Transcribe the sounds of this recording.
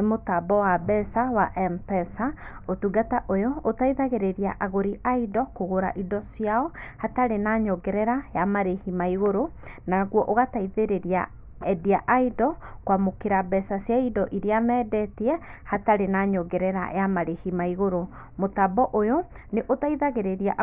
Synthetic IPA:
nemotabɔwabɛsawaʔɛmpɛsaotuɡataʔojɔotaiðaɣeɾeɾiaʔaɣoɾiʔaidɔkoɣoɾa̰ʔidɔsiaɔhataɾenaɲɔɡɛɾɛɾajamaɾehimaiɣoɾo | naɣwɔʔoɣataiðeɾeɾia̰ | ɛdiaʔaidɔkwamokeɾabɛsasjaidɔʔiɾiamɛːdɛtiɛhataɾenaɲɔɡɛɾɛɾa̰jamaɾehimaiɣoɾo | motabɔʔojɔ | neʔotaiðaɣeɾeɾiaʔ

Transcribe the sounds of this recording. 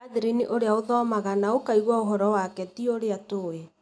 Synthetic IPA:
aðiɾiniʔoɾeaoðɔːmaɣanaokaiɣwaoɦɔɾɔwakɛtioɾeatoe

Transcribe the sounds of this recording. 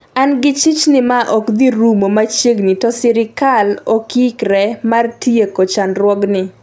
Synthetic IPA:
anɡɪt͡ʃit͡ʃnɪmaʔɔkd̪iɾumomat͡ʃeɡnɪtɔsɪɾɪkalokikɾɛmartiekot͡ʃanɾwɔɡnɪ

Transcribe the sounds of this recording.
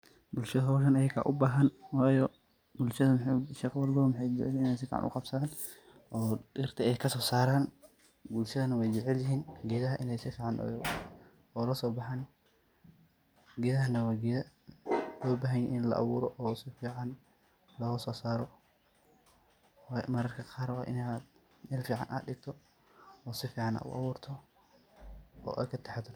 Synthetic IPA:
bʊlʃɐðɐɦɔːʃɐnɐjɐkʰa̰ʔʊbaːɦɐnwaːjɔ | bʊlʃɐðɐmħʃɛːqwɑlbɔmħɛjd͡ʒɛʕɛlɪnɛjsɪfḭːʕ̰nʔʊ̰qɑbsɐðaːn | ʔɔːdɪrt̪ʰɐɛjkʰɐsɔːsaːɾaːn | bʊlʃɐðɐnɐwɛjd͡ʒɛʕɛljɪɦiːnɡɛːðɐɦɐʔɪnɛjsɪfiːʕɑnʔɔ̰ːj | ɔːlɐsɔːbɑħɑːn | ɡɛːðɐɦɐnɐwɑːɡɛðɐ | lɔːbaːɦɐjɛʔɪnlɐ̰ʔɑ̰βuːɾɔʔːsɪfiːʕɑn | lɔːɣɐsɔːsaːɾɔ | wmɐɾɐrkʰɐqɑːɾwɑ̰ːʔɪ̰nːd̪ | mɛlfiːʕɑ̰nʔa̰ːd̪dɪɡ̚t̪ʰɔ | ɔːsɪfiːʕɑna̰ːʔʊ̰ʔɑ̰βuːrt̪ʰɔ | ɔ̰ːʔa̰ːkʰɐt̪ʰɛħat̪ɐ

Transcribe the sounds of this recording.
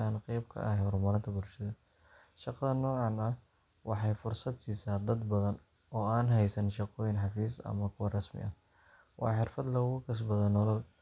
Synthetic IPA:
aːnqɛjb̚kʰɐ̰ɐhɛhɔrmɐɾɪnt̪ʰɐbʊlʃɐðɐ | ʃɑqɑðɐnːɔːʕɑnɐh | wɑħɑjfʊrsɐd̪siːsaːd̪ɐd̪bɐðɐn | ɔːaːnɦɛjsɐnʃɑqɔːjɪnħɑfiːsɐ̰mɐkʰʊwɐrɐsmɪ̰ʔɐh | wɑ̰ːħɪrfɐd̪lɐɣʊkʰɐs̬bɐðɐnɔlɐl

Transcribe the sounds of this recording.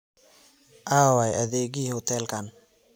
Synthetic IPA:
ʔaːwajɐðɛːɡihɔt̪ʰɛlkʰan

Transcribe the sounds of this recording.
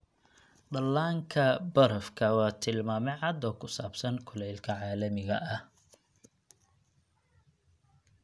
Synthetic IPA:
ɖɐlːaːŋkʰɐbɐɾɐfkʰɐwɑːt̪ʰɪlmaːmɛʕɑd̪ɔːkʰʊsaːbsɐnkʰʊlɛjlkʰɐʕaːlɐmɪɣɐʔɐh

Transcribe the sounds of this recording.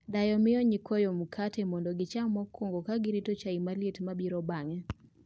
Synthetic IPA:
dajɔmɪɔɲikʰɔjɔmukʰatʰɛmɔndɔɡɪt͡ʃamɔkʰːoŋɡokaɡɪɾitot͡ʃaimaletmabiɾɔbaŋɛ

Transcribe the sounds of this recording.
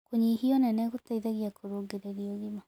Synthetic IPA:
koɲihiɔnɛnɛɣutaiðaɣiakʰoɾoːɡeɾeɾioɣima

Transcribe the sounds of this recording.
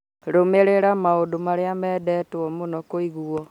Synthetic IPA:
ɾomeɾeɾamaodumaɾjamedetuomunokoiɣuo

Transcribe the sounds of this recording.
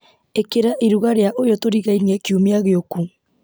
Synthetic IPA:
ekeɾaʔiɾuɣaɾeaʔojotoɾiɣainekiumeaɣeoku

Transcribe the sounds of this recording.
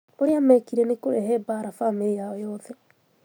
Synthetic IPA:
oɾeamɛkiɾɛnekoɾɛɦɛbaːɾafamejaɛjɔːðɛ

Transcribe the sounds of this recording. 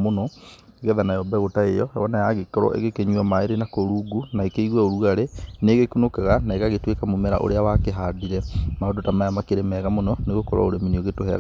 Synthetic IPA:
monɔeɣɛðanajɔbɛɣotaejɔɛwɔnajaɣekɔɾɔ̰ʔḛɣekeɲwamaeɾenakoɾuɡunaekeiɣwaoɾuaɾeneːɣekunokaɣanaeɣaɣetwekamomɛɾa̰ʔo̰ɾeawakeɦadiɾɛmaõdotamajamakeɾemɛɣamonɔneɣokɔɾwa̰oɾemenioɣetoɦɛ̰ɣ

